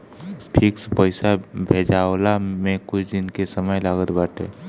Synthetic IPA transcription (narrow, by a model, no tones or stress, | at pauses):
pʰɪkspəɪsabʱeːd͡ʒaːwlamẽkʊt͡ʃʰd̪ɪnkesəməjlaːɡət̪baːʈ̪ʰḛː